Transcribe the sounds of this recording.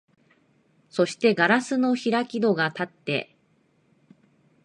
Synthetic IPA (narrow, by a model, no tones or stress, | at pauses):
so̞ɕi̥t̪e̞ɡaɾasɨno̞çiɾakʲid̪o̞ɡat̪at̪ːe̞̰